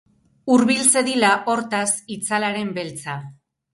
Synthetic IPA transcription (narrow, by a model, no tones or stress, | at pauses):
uɾβilt͡se̞ðilaʔo̞ɾt̪asit͡salaɾe̞mbe̞lt͡sa